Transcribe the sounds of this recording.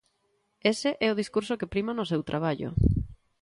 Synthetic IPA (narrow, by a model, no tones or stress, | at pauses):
esɪʔɛʊðiskuɾsokepɾimanʊsewt̪ɾʔaβ̞aʎo̰